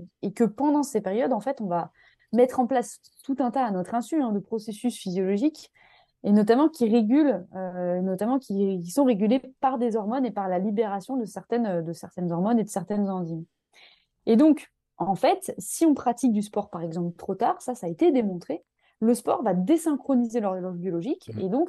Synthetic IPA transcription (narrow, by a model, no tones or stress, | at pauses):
ekəpɑ̃d̪ɑ̃sepeʁjɔd̪ɑ̃fɛt̪ɔ̃va | mɛt̪χɑ̃plas | t̪ut̪ɛ̃t̪aːnɔt̪χɛ̃syɛ̃d̪əpχɔsesysfizjɔlɔʒik | enɔt̪̬amɑ̃kʲiʁeɡʲyløenɔt̪amɑ̃kʲʰikʲisɔ̃ʁeɡʲylepaʁd̪ezɔʁmɔnepaʁlalibeʁasjɔ̃d̪əsɛʁt̪ɛnød̪əsɛʁt̪ɛnzɔʁmɔned̪əsɛʁt̪ɛnzɑ̃ziɲ | ed̪ɔ̃k | ʔɑ̃fɛt̪siɔ̃pχat̪ik̚d̪ys̬pɔʁpaʁɛɡzɑ̃plət̪χot̪aːʁsasaːet̪ed̪emɔ̃t̪χe | ləspɔ̰ʁvad̪esɛ̃kχɔnizelœʁlɔʒbjɔlɔʒikḛd̪ɔ̃k